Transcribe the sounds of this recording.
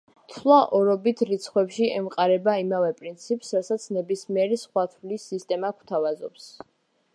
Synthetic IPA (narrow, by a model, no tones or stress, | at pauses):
t̪ʰlˠaʔɔɾɔbit̪ʰɾit̪sʰχwɛpʃiɛmqʼaɾɛbaimavɛpʼɾint̪sʰipsɾasat̪sʰnɛbismiɛɾɛsχwat̪ʰwlisːist̪ʼɛmakʰt̪ʰavazɔps